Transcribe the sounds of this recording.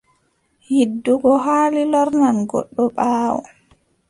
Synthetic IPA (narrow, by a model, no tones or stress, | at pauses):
hidːuɡɔɦaːlilɔɾnanɡɔ̰ɗːɔɓaːwɔ̰